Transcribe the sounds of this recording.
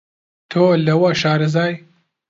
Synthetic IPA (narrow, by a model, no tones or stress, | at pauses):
t̪ʰoːlɐwɐʃaːɾɨzaːj